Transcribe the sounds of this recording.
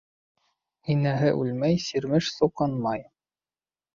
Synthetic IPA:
hinæɦɘʔʉlmæjsiɾmɘʃsuqɑnmɑj

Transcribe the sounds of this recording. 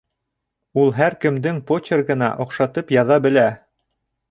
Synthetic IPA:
ulˠɦæɾkɘ̆md̪ɘŋpotʲerɡɤ̆nɑ̰ʔŏqʃɑt̪ɤpjɑðɑbɘ̆læ

